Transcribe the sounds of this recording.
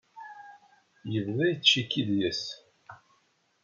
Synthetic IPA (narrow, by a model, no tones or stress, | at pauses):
jəvðæjət͡ʃːikːiðjəs